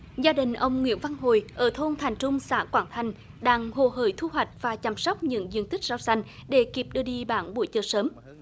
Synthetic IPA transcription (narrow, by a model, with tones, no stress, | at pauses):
zaː˧ɗï˨˩ŋ̟ʔə˧wŋ͡mŋwḭ˧˥ənva˧nɦo̰˧˨jʔəː˧˩t̪ʰo˧nt̪ʰa˨˩jŋ̟t͡ɕʊ˧wŋ͡msa̰ː˧˥kwaː˧˩ŋt̪ʰa˨˩jŋ̟ | ɗaː˧ŋho̰˧˨˩ɦəː˧˩jt̪ʰu˧ɦwa˨˩jk̟̚vaː˨˩t͡ɕa˧˩msɔ˦˥wk͡p̚ɲɨ̰˧˥ŋzi˧˨ənt̪i˦˥k̟̚zaː˧wsa˧jŋ̟ɗe˧˩˦ki˨˩p̚ɗɨ˧əɗi˧ɓaː˧˩nɓu˧˩əjt͡ɕəː˧səː˨˦m